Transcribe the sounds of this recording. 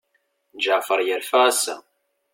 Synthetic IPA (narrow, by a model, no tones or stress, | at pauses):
d͡ʒaʕfəɾˤjəɾfææsæ̰